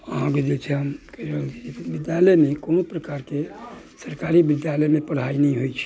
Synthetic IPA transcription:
əɦãked͡ʒet͡ʃʰeɦəmkeɾəd͡ʒibɪd̪jaləjmẽkoːnopɾəkaːɾke | səɾkaːɾibɪd̪jaləmẽpəɽ̤ainəɦĩɦoit͡ʃʰi̥

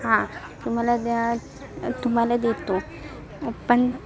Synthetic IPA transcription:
ɦãt̪um̤alad̪ | t̪um̤alad̪et̪o | pəɳ

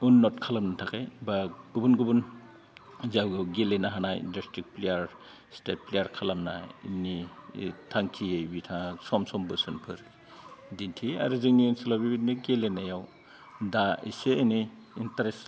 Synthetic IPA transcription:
unːɔtkʰalamnatʰakajbaɡ̥ubunɡubun | zawɡɯwɡelenaɦanajḭndɔstɾik̚plejaɾ | stet̚plejaɾkʰalamna̰ḭnːitʰaŋkʰiejbitʰasɔmsɔmbɯsɯnpʰɯɾ | dintʰia̰ɾɯzɯŋniinsilabibiniɡelenajaw | daḭseːni | intaɾes

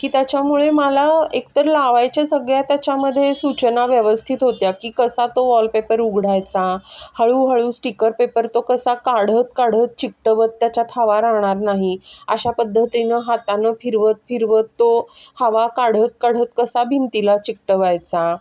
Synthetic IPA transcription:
kiːt̪jat͡ɕjamuɭeməlaekt̪əɾlaʋajt͡ɕasəɡɭjat̪jat͡ɕaməd̪ʱːjesut͡ɕnaʋjəʋəst̪ʰit̪ɦot̪jakiːkəsat̪oʋɔlpepəɾuɡʱɽ̤ajt͡sahəɭuːɦəɭuːsʈikəɾpepəɾt̪okəsakaɽ̤ət̪̚kaɽ̤ət̪̚t͡ɕik̚ʈəʋət̪ːjat͡ɕat̪ʰaʋaɾaɦɽ̃aɾnaɦiəɕapəd̪ʱːət̪inəɦat̪anəfiɾʋət̪̚fiɾʋət̪ːohaʋakaɽ̤ət̪̚kaɽ̤ət̪kəsabʱint̪ilat͡ɕik̚ʈəʋajt͡sa

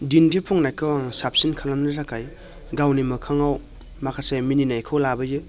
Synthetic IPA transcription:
dindipʰuŋnajkʰɯwaŋsap̚sinkʰalamnɯɾakʰaj | ɡawnimɯkʰaŋaw | makʰasemininajkʰɯwlabɯjɯ

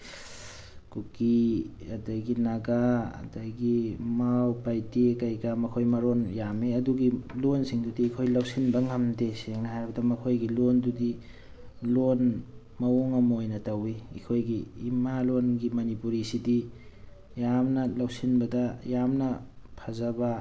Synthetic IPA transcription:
kukiɐdajɡinaɡaɐ̰dɐjɡimawpajtekɐjɡamɐkʰojmɐɾonjameɐduɡilonsiŋdudiːkʰojlɐwsinbɐŋɐmdeseŋhajɾibɐdɐmɐkʰojɡilondudi | lon | mɐoŋɐmɐojnɐtɐwiḭkʰojɡiːmalonɡimɐnipuɾisidi | jamnɐlawsinbɐdɐjamnɐpʰɐzɐba

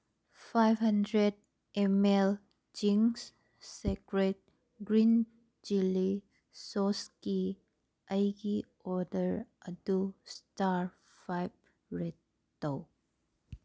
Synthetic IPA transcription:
pʰajbɦəndɾed̚ | emel | d͡ʒiŋsː | ekɾet̚ | ɡɾin | d͡ʒili | sɔski | əjɡi | ɔdəɾʔədustaɾ | pʰajb̚ | ɾetː | ow

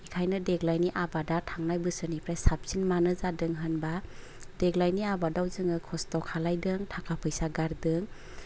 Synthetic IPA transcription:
ikʰajnɯdeɡlajniʔabadatʰaŋnajbɯsɯnipʰɾajsap̚sinmanɯzadɯŋɦɯnba | d̥eɡlajniabadawzɯŋɯkʰɔstɔkʰalajdɯŋtʰakʰapʰɯjsaɡaɾdɯŋ

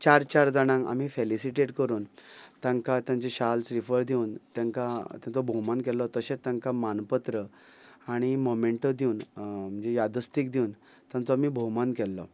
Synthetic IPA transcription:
t͡ɕaɾt͡ɕaɾd͡z̪aɽ̃ãŋa̰m̤iːfelisiʈeʈkəɾuːnt̪ãŋkat̪jãnt͡ɕeɕalsɾifəɾd̪ʱiunt̪jãŋkat̪jãnt͡sɔbʱomankɛlːɔt̪əɕẽt̪ːjãŋkamanpət̪ɾə | aɽ̃imomeɳʈəd̪iuːnm̤ənd͡ʑejad̪ʱəst̪iːk̚d̪iun | t̪jãnt͡sɔamiːbʱomankɛlːɔ̰

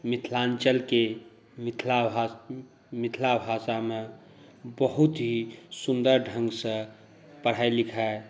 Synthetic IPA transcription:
mit̪ʰlant͡ʃəlke | mit̪ʰlaba | mit̪ʰlabʱasame | bəɦut̪ɦisund̪əɾɖʱə̃ŋɡsə̃ | pəɽ̤ajlikʰae

